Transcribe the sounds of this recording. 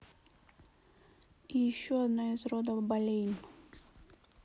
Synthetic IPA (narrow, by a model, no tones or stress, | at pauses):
ijɪɕːoɐd̪noɪzrod̪əbɐlʲejnʲ